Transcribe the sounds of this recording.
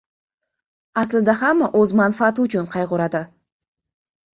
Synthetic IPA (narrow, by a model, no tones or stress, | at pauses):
aslɪd̪ahamːʔɵzmanfaːt̪ʊt͡ʃʰʊnqʰɑjʁʊɾad̪ɪ